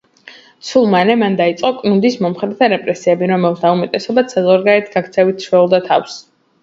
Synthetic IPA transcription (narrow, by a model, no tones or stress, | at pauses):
t̪sʰulˠmanɛmand̪ait̪sʼqʼɔkʼnund̪ismɔmχɾɛt̪ʰaɾɛpʼɾɛsiɛbiɾɔmɛlˠsd̪aumɛt̪ʼɛsɔbat̪sʰɛzɔɾɡaɛt̪ʰɡakʰt̪sʰɛvit̪ʃwɛulˠd̪at̪ʰa̰fs